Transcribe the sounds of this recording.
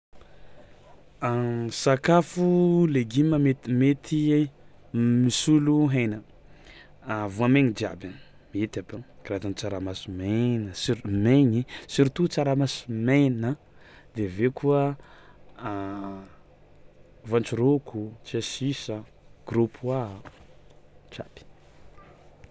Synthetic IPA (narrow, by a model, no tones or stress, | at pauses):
asakafuleɡiməmet̪met̪ʰi | misuluɦejnə | vuameɲid͡ʒ̪ia̰ban | miet̪apakɾat̪ant͡saɾamasimenəsiɾmeɲisiɾit̪ut͡saɾamasimejnə | d̪evekʰuə | vant͡ʃuɾokut͡siasisə | ɡ̥rupʰua | t͡ʃapi̥